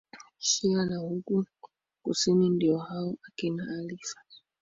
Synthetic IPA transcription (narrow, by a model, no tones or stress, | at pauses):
ʃianahuku | kṵsinindiɔhaɔakinaːlifḁ